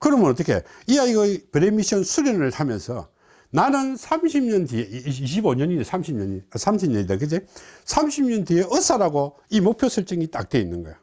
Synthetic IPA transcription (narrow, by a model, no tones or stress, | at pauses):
kɯɾʌmjʌnʌt͈ːəkʰe̞̰iaiɡʌpɯɾemiɕʰʌnsʰuɾjʌnɯɭtʰamjʌnsʰʌ̰ | nanɯnsʰamɕʰimɲʌndieiɕʰiboɲʌɲidesʰamɕʰimɲʌɲisʰamɕʰimɲʌɲid̪akɯnd͡ʑesʰamɕʰimɲʌndieʔʌs͈ʰaɾaɡo | imok̚pʰjosʰɯɭt͡ɕ͈ɯŋit͈a̰k̚t͈e̞inːɯnɡʌjo